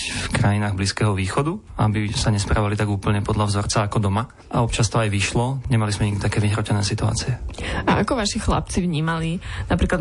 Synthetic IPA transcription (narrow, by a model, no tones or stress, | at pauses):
fkɾajinaːɣbliːskɛːɦɔʋiːxɔd̪uabisaɲɛspɾa̰ːʋalit̪aɡuːpl̩ɲɛpɔd̪ʎavzɔɾt͡saːkɔd̪ɔma | ʔa̰ɔp̚t͡ʃast̪ɔajʋiʃlɔɲɛmalizmɛɲiɡ̪̚it̪akɛːʋiɦɾɔcɛnɛːsit̪ua̰ːt͡siɛaʔakɔʋaʃixla̰pt͡sivɲiːmalinapɾiːklad̪